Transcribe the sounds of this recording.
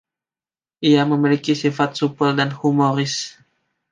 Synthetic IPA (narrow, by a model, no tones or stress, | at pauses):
ʔiaməmilikisifat̪̚supəldanhumoɾɪs